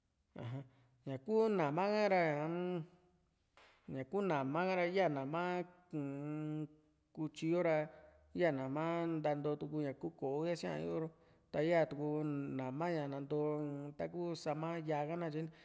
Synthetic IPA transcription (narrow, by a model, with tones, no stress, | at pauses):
ã̰˨ɦã˧ | ɲã˨ku˦nã˨mã˦kã˦ɾa˧ã˨˦ | ɲã˨ku˦nã˨mã˦kã˦ɾa˧˦a˦˨nã˨mã˦kũ˨˧ | ku˧t͡ʃi˧jo˦ɾa˧˦ | ja˦˨nã˨mã˦nd̪a˧nd̪o˧t̪u˧k̬u˧ɲã˨ku˦ko˨ʔo˦ja˦si˦ã̰˧ḭ˦o˦ɾo˧ | t̪a˧˦a˦˨t̪u˧ku˧nã˨mã˦ɲã˨nã˧nd̪o˧t̪a˦k̬u˦sa˧mã˦ja˧ka˦nã˦˧t͡ʃi˧˦ñ˦